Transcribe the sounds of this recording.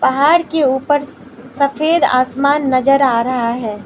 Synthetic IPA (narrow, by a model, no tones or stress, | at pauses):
pɐɦaːɾkeuːpəɾsɐfʰeːd̪a̰ːsmaːnːɐd͡ʒəɾaːɾɐɦaɦɛː